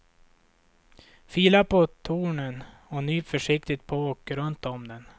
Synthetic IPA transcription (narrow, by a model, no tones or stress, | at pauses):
fiːlapʰɔt̪ʰuːɳən | ɔnyːfœʂɪkt̪ɪt̪̚pʰɔoːkəɾɵnt̪ɔmd̪ɛn